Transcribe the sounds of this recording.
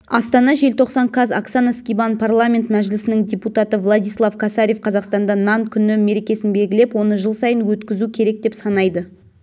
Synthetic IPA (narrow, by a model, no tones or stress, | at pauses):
ɑst̪ɑnɑʒe̞lt̪ʰo̞qsɑnkʰɑzaksanaskʲibanpʰarlˠamʲe̞nt̪mæʒlɪsɪnɪŋdʲeput̪ɑt̪əvlˠad̪ʲijslˠafkʰasaɾʲje̞fqʰɑzɑqst̪ɑnd̪ɑnɑnkʲʰʏnɪme̞ɾe̞kʲe̞sɪnbe̞lʲɡʲɪlepwo̞nəʒəlˠsɑjənwɵt̪kʲɪzukʲʰe̞ɾe̞k̚d̪e̞psɑnɑjd̪ə